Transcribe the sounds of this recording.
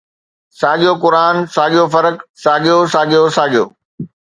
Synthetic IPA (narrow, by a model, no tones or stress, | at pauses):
saːɠijokʊɾaːnsaːɠijofɐɾəksaːɠijosaːɠijosaːɠijo̰ː